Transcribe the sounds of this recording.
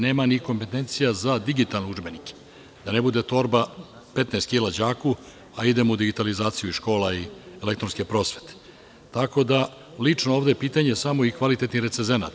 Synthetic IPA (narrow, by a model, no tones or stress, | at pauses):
neːmanikompe̞t̪e̞nt̪sijazad̪iɡit̪alnouʐbe̞nike̥ | d̪̥ane̞bud̪e̞t̪o̞ɾba | pe̞t̪neːst̪kilad͡ʑaːku | aid̪e̞moud̪iɡit̪alizaːt̪sijuiʃko̞ːlaiele̞kt̪ɾo̞nskepɾo̞ːsʋe̞̥t̪e̥ | t̪ako̞d̪a | lit͡ʂno̞oːvd̪epiːt̪aɲe̞samo̞ikʋalit̪e̞t̪niɾesenzena̰t̪